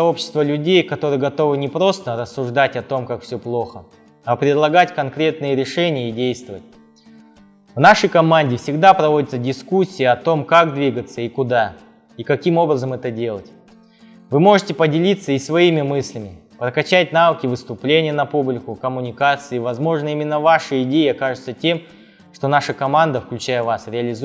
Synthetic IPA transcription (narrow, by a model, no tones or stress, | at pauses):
sɐo̞pɕːɪst̪vəlʲʉdʲejkɐt̪o̞ɾɨjəɡɐt̪o̞vɨnʲɪpɾo̞st̪əɾəsːʊʐd̪atʲɐt̪o̞mkakfsʲɵplˠo̞xə | ɐpɾʲɪd̪lˠɐɡatʲkɐnkɾʲe̞t̪̚nɨjəɾʲɪʂɛnʲɪjəidʲejst̪vəvət̚ʲ | vnaʂəjkɐmanʲdʲɪfsʲɪɡd̪apɾɐvo̞dʲɪt̪sədʲɪskusʲːijəɐt̪o̞mkakd̪vʲiɡət̪səikʊd̪a | ikɐkʲimo̞bɾəzəmɛt̪ədʲe̞lˠətʲ | vɨmo̞ʐɨtʲɪpədʲɪlʲit̪sːəisvɐimʲɪmɨsʲlʲɪmʲɪpɾəkɐt͡ɕætʲnavəkʲɪvɨst̪ʊplʲenʲɪjənɐpublʲɪkʊkəmʊnʲɪkat̪sɨːvɐzmo̞ʐnəimʲɪnːəvaʂɨɪdʲeɪɐkaʐɨt̪sətʲe̞m | ʂt̪o̞naʂəkɐmand̪əfklʲʉt͡ɕæjəvasɾʲɪɐlʲɪz